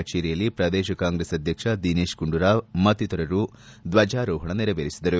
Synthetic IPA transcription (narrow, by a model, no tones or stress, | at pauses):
t͡ʃeːɾijɐlːipɾɐd̪ɛːʃɐkaːŋɡɾesɐd̪ʱjɐkʂɐd̪ineːʃkuɳɖuɾaːmɐt̪ːit̪ɐɾɐɾu | d̪ʋɐd͡ʒaːɾɔːɦɐɳɐniɾɐʋeːɾisid̪ɐɾu